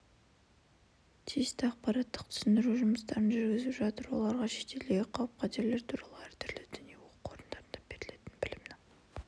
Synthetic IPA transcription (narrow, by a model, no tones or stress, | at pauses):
t̪ʰijɪst̪ɪɑqpɑɾɑt̪ːəq̚t̪ʰʏ̥sɪnd̪ɪɾuʒʊməst̪ɑɾənʒʏɾɡʲɪzɪpʒɑt̪əɾwo̞̰lˠɑɾʁɑʃe̞̥t̪e̞leɡʲeqʰɑlˠəp̚qʰɑt̪eɾle̞ɾt̪ʰuɾɑlˠəæɾt̪ɪɾlɪd̪ʏnijewoqu̥qʰo̞ɾənd̪ɑɾənd̪ɑb̥e̞ɾɪle̞t̪ɪnbɪlɪmnɪŋ